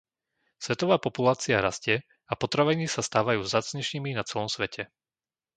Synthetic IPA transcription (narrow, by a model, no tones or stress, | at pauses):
sʋɛt̪ɔʋaːpɔpulaːt͡siaɾascɪɛ | apɔt̪ɾaʋɛɲiːsast̪aːʋajuːzaːt͡sɲɛʃɲiminat͡sɛlɔmsʋɛcʰɛ